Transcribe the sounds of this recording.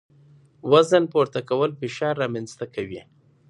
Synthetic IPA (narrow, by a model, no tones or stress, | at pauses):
wazənpoɾt̪akawəlfɪʃɑɾːɑmanst̪akawi